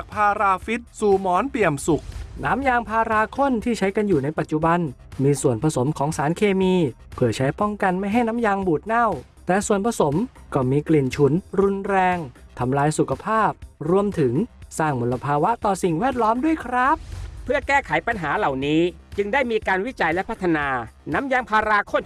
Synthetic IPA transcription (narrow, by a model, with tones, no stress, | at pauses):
a˨˩k̚pʰaː˧ɾaː˧fi˦˥t̪̚suː˨˩mɔː˨˦˥npli˨˩əmsu˨˩k̚naː˦˥mjaː˧ŋpʰaː˧ɾaː˧kʰo˥˩nt̪ʰiː˥˩t͡ɕʰa˦˥jka˧njuː˨˩na˧jpa˨t̪̚t͡ɕu˨˩ba˧nmiː˧su˨˩ənpʰa˧so˩˦mkʰɔː˩˦ŋsaː˩˦nkʰeː˧miː˧ | pʰɯː˨˩t͡ɕʰa˦˥jpɔ˥˩ŋka˧nma˥˩jɦa˥˩jnaː˦˥mjaː˧ŋbuː˨˩t̪̚na˥˩w | t̪ɛː˨˩su˨˩ənpʰa˧so˩˦mkɔː˥˩miː˧kli˨˩nt͡ɕʰu˦˥nɾu˧nɾɛː˧ŋ | t̪ʰa˧mlaː˧jsu˨˩kʰa˧pʰaː˥˩p̚ɾu˧əmt̪ʰɯ˩˦ŋsaː˥˩ŋmu˧˥lːa˧pʰaː˧wa˦˥ʔt̪ɔː˨˩si˨˩ŋwɛː˥˩t̪̚lɔː˦˥mdu˥˩əjkʰɾa˦˥p̚pʰɯ˥˩ɐkɛː˥˩kʰa˩˦jpa˧nɦaː˩˦la˨˩wniː˦˥ | t͡ɕɯ˧ŋdaː˥˩jmiː˧kaː˧nwi˦˥t͡ɕa˧jlɛ˦˥pʰa˦˥t̪ʰːa˧naː˧na˦˥mjaː˧ŋpʰaː˧ɾaː˧kʰo˥˩n